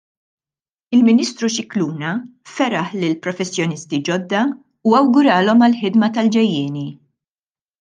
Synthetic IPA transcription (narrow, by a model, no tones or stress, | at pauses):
ɪlmɪniːst̪ɾuʃɪkluːnɐfɛɾɐħlɪlpɾɔfɛsːjɔnɪst̪id͡ʒɔd̪ːɐ | uɐwɡʊɾɐːlɔmɐlħɪd̪mɐt̪ɐld͡ʒɛjːɪːni